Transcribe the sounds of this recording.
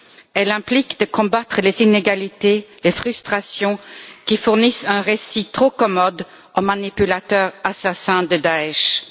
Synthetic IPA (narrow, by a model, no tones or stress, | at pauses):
ɛlɛ̃plikd̪əkɔ̃bat̪χəlezineɡalit̪elefχyst̪χasjɔ̃kʲifuʁnisɛ̃ʁesit̪χokɔmɔd̪ | omanipylat̪œːʁasasɛ̃d̪əd̪aɛʃ